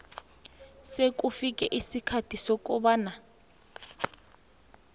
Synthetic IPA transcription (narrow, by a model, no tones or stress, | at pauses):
sekufik̬ʼɛʔisikʰatʰisɔkʼuɓaːna